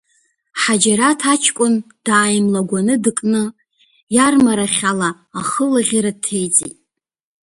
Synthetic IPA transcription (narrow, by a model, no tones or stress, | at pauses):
ħad͡ʒaɾatʰat͡ʃʰkʷʼʊnd̥aːjmlaɡʷanɨdɨkʼnɨ | jarmaɾaχʲalaː | χəlaʁʲaɾad̚tʰejd͡zʼḭtʼ